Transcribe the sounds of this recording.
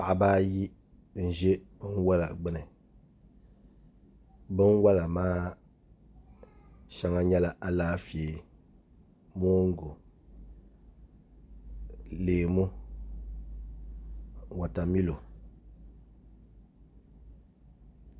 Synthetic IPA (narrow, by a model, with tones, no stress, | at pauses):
pa˨ʔa˨baː˦ji˦ | n̩˨ʒe˦bɨ˦n˦wa˦la̰˨ɡ͡bɨ˦nɨ˨ | bɨ˦n˦wa˦la˨maː˦ | ʃa˨ŋa˨ɲɛ˦la˨ʔa˨laː˦fi˨e˨ | mo˦ŋ̩˦ɡo˨ | leː˨mu˦ | wa˨ta˨mi˦lo˨